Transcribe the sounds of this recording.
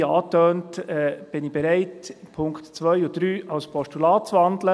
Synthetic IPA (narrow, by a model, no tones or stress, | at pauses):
ɑːtøːntɛb̥ɪnib̥ɛɾæɪtpʰʊŋktt͡sʋœʏʊd̥ɾyːʔɑwspʰɔʃtulɑːt͡svɑndlə